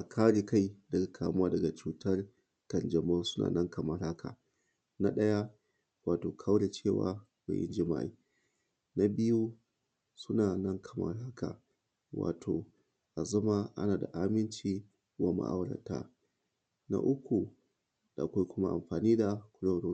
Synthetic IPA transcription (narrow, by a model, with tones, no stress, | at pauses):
ʔa˨kʰaː˦ɽe˨ka˦jdɐ˨ɡa˨kʰaː˨˦m˦aː˦dɐ˨ɡa˨t͡ʃuː˨tʰɐ˦r | kɐ˨nd͡ʒɐ˨mo˦sʊ̥˦na̰ː˨nɐ˦ŋkɐ˨ma˦ɾa˦kʰa̰˨ | na˦ɗɐ˦ja˦ | waː˨toː˨kʰa˦wɽe˨t͡ʃeː˦˨wa̰ː˨ | wa̰˨ʔɪ̰˦nd͡ʒɪ˦ma̰˦ʔḭ˨ | na˦bɪ˦ju˦ | sʊ˦naː˨nɐ˦ŋkʰɐ̥˨ma̰˦ɾa˦kʰa̰ː˨ | wa̰ː˨tʰoː˨ | ʔa˨zɐ˦ma˦ʔa̰˦naː˨da̰˨ʔa˦mɪ˦nt͡ʃiː˦ | wa˦ma̰˦ʔa̰˦wɽɐ̰˨ta̰˦ | na̰˦ʔʊ˦kʷu˨ | ɗa˨kʷa˦jkʷʊ˦ma˦ʔa̰˨mɸaː˨niː˦da˨kʷʊ˨ɽɐ˦ɽo˦